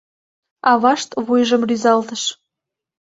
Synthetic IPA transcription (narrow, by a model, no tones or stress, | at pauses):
ɑβɑʃt̪βujʒəmryzɑlt̪əʃ